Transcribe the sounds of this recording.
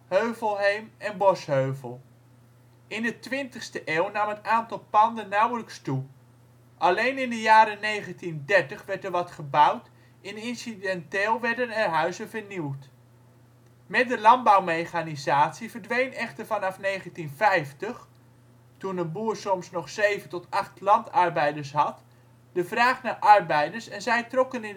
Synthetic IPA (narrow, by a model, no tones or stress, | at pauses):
høɥvəlˠɦejmɛnbɔshøɥvəlˠ | ɪndətʋɪntəχstəʔeːwnamənaːntɑlˠpɑndənːawələkstu | ʔalejnɪndəjaːɾənejχəntindɛɹtəχʋɛɹtəɹʋɑtχəbawt | ɪnɪnsidɛnteːlˠʋɛɹdənɛrɦœɥzəvəɹniwt | mɛt̚dəlɑnbawmejχanizaːtsivəɹdʋejnɛχtəɹvɑnɑfnejχəntinfɛjftəχ | tunənbuːɹsɔmsnɔχsejvəntɔtɑχtlɑntɑɹbɛjdəɹsɦɑt | dəvraːχnaːɹʔɑɹbɛjdəɹsɛnzɛjtrɔkənɪn